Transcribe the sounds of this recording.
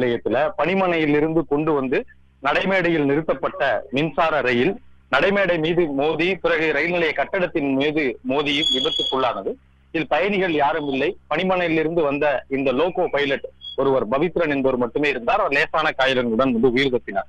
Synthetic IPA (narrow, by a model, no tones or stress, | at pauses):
lɐjɐt̪ːɪlɐpɐɳɪmɐɳɐjɪlɪɾɯnd̪ɯkɔɳɖɯʋɐnd̪ɯ | nɐɽɐɪmeːɽɐjɪlnɪɾɯt̪ːɐpːɐʈːɐmɪnsaːɾɐɾɐjɪl | nɐɽɐɪmeːɽɐɪmiːðɯmoːðit̪ʊɾɐɣɯɾɐjɪlnɪlɐjɐkɐʈːɐɽɐt̪ːɪnmeːðɯmoːðɪjɯmʋɪbɐt̪ːɯkːʊɭːaːnɐðɯ | ɪɪlpɐjɐnɪɣɐɭjaːɾɯmɪlːɐɪpɐɳɪmɐɳɐjɪlɪɾɯnd̪ɯʋɐnd̪ɐɪnd̪ɐloːkoːpɐjɪlɐʈɔɾɯʋɐɾbɐʋɪt̪ːɪɾɐnɛnbɐɾɯmɐʈːɯmeːɪɾɯnd̪aːɾleːsaːnɐkaːjɪlɐŋɡɐɭɯɽɐnɐnd̪ɯʊjɪɾðɐt̪ːɪna̰ːɾ